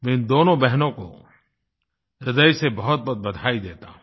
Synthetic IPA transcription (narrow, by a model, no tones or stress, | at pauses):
mɛ̃ɪ̃nd̪oːnõbɛɦnõko̰ | ɾɪd̪əisebɐɦʊt̪̚bɐt̪̚bɐd̪ʱaːid̪eːt̪a̰